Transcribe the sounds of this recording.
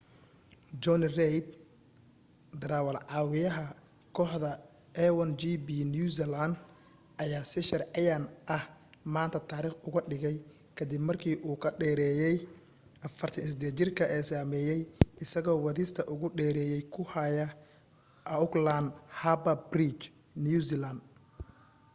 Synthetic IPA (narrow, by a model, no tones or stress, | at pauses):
d͡ʒɔnrɛjd̪̚ | d̪ɾaːwɐlʕɑːwɪjɐɦɐ | kʰɔːħðɐ | ɛwɐnd͡ʒibiːnjuːsɛland̪ | ʔɐjaːsɪʃɐrʕɪjanʔɐhmaːnt̪ʰɐt̪ʰaːɾiːχʊɣɐɖɪɣɛj | kʰɐd̪ɪbmɐrkʰiːʔuːkʰɐɖɛːɾɛːjɛj | ʔɐfɐrt̪ʰɐnsɪd̪ɛt͡ʃɪrkʰɐʔɛːsaːmɛːjɛjɪsɐɣɔːwɐðɪst̪ʰɐʔʊɣʊɖɛːɾɛːjɛjkʰʊhɐjɐ | ʊkland̪habɐbrit͡ʃ | njuːsiland̪